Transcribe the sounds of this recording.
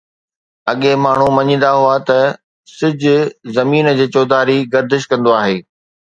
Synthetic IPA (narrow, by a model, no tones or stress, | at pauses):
ɐɠẽmaːɳ̤umɐɲĩn̆d̪aɦuat̪ɐ | sɪd͡ʑʱʊ̆zɐmiːnəd͡ʑeːt͡ɕɔːd̪aːɾiɡɐɾd̪ɪʃ̬kɐ̃nd̪oaːɦeː